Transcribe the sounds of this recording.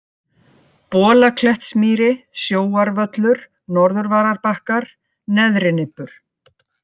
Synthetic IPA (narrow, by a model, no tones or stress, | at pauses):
pɔːlakʰlɛht̪smiːɾɪsjoːwaɾvœt̪lʏɾ̥ | nɔɾðʏɾvaːɾaɾpahkaɾ̥ | nɛðɾɪnɪpːʏɾ̥